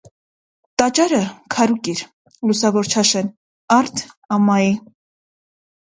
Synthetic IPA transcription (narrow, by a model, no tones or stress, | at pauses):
t̪ɑt͡ʃɑɾəkʰɑɾukiɾ | lusɑvɔɾt͡ʃʰɑʃɛn | ɑɾt̪ʰɑmɑi